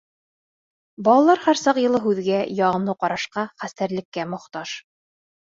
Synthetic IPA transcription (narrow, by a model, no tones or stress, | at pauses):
bɑlˠɑlˠɑɾhæɾsɑqjɤ̆lˠɤɦʉðɡæjɑʁɤ̆mlɤqɑɾɑʃqɑχæst̪æɾlɘ̆kːæmŏχt̪ɑʃ